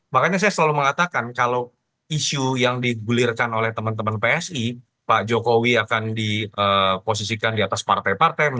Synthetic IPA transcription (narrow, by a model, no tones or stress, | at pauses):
mahkaɲas̬ajasəlaluməŋat̪akankalo | iʃujaŋdiɡulɪrkanolɛht̪əmənt̪əmənpeɛsi | paʔd͡ʒokowiakandiəpos̬isikandiat̪aspart̪ajpart̪aj